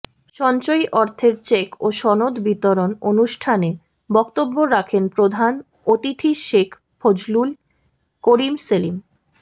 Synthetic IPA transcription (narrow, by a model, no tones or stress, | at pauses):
ʃɔnt͡ɕojʔɔɾt̪ʰeɾt͡ɕekoʃɔnod̪bit̪oɾononuʃʈʰane | bɔkt̪obːoɾakʰenpɾod̪ʱan | ot̪it̪ʰiʃekʰ | pʰod͡ʑlul | koɾimselim